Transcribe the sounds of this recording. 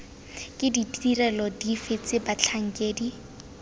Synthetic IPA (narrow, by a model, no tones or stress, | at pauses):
kʼɪditʼirɛlɔdifet͡sɪbat͡ɬʰaŋ̩kʼeːdi